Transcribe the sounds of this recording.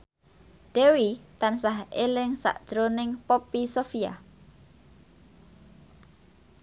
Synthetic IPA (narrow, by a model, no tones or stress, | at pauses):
d̥ewit̪ansaɦelɪŋsa̰ʔd̥ʒ̥ɾonɪŋpopisofia̰